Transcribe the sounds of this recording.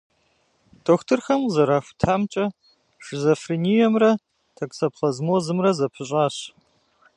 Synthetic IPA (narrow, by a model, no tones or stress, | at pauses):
d̥oːxtʰɨrxɐmzɐɾaːxʷtʰaːmt͡ʃʼɐ | ʒɨzofrinijɛmrɐ | tʰɐkʼsɐpχɐzmoːzɨmrɐzɐpʰɨɕʼaːɕ